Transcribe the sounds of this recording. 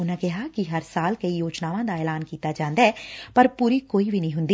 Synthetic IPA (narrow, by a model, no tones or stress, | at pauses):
ʊnãkɪɦakiɦɐɾsaːlkɐijoːd͡ʒnaːʋãd̪aɛːlaːnkiːt̪ad͡ʒãːnd̪aɦɛːpɐɾpuːɾikoːibʱinəɐɦĩɦʊ̃nd̪iː